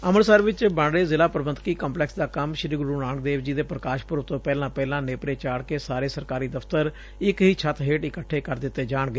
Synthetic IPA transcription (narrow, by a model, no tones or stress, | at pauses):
əməɾsəɾʋɪt͡ʃbəɳɽeːzɪlaːpəɾəbənt̪kiːkə̃mplɛːksd̪aːkəmʃɪɾiːɡʊɾuːnaːɳkd̪eːʋd͡ʒiːd̪eːpɾəkaːʃpʊɾʋt̪õːpɛːlãːpɛːlãːneːpɾeːt͡ʃaːɽkeːsaːɾeːsəɾkaːɾiːd̪əfʰt̪əɾ | ɪkɦiːt͡ʃʰət̪ɦeːʈɪkəʈʰːeːkəɾd̪ɪt̪ːeːd͡ʒaːɳɡəeː